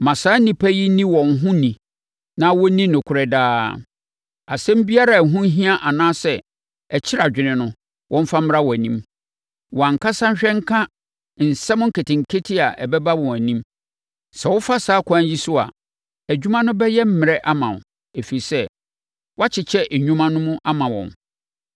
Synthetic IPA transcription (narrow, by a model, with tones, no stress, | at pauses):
mã˨saː˦nĩ˨pʰæ˦ji˦nĩ˦wɔ̃˨nɦʊ̃˦nĩ˨ | nã˦wɔ˦nĩ˦nʊ̃˨kʰʊ˨ɾɛ˨daː˦ | a˨sɛ̃˦m̩˦bi˦a˦ɾa˨ɦʊ̃˦ɦĩ˦a˦ʔa˨nãː˦sɛ˦˨ | ɛ˨t͡ɕʰɪ˦ɾa˨d͡ʑᶣɪ˨nɪ̃˨nʊ̃˦ | wʔɔ̃˦m˦fa˦m̩˦ɾa˦wɔ˨æ˨nĩ˦m | wɔ˨a˨ŋ̩˨kʰa˦sã˦n̩˦ɕᶣɛ˦ŋ˦kʰã˦ | n̩˨sɛ˦mʊ̃˦ŋ̩˦kʰe˨tɪ̃˨ŋ̩˨kʰe˦tʰɪ˦a˨ʔɛ˨bɛ˦ba˦wɔ̃˨æ˨nĩ˦m | sɛ˨wɔ˦fa˦saː˦kʷʰã˦ɲ˦ji˦sʊ˦a̰˨ | æ˨d͡ʑᶣu˦mã˦nʊ̃˦bɛ˦jɛ˦m̩˦mɪ̃˨ɾɛ˦ʔa˦mã̰˨ | e˨fi˨i˨sɛ˦ | wɔ˦a˦t͡ɕʰɪ˨t͡ɕʰɛ˦ʔæ˨ɲᶣũ˦mã˦nʊ̃˦mʊ̃˦ʔa˦mã˨wɔ̰̃˨m